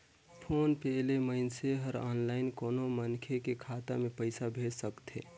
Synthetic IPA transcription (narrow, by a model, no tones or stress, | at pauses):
pʰoːnpɛːleməɪnseɦəɾɔːnlaːɪnkoːnomənkʰekekʰaːt̪a̰mẽpəɪsabʱeːɾsəkt̪ɦḛː